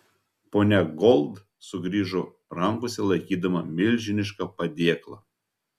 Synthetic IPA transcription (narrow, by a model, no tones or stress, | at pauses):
poːnʲɛɡɔlˠd̪ | sʊɡɾʲiːʒo | ɾɐŋkʊsʲɛlˠɐɪkʲiːd̪ɐmɐmʲɪlʲʒʲɪnʲɪʃkɐpɐd̪ʲiɛklˠɐ̰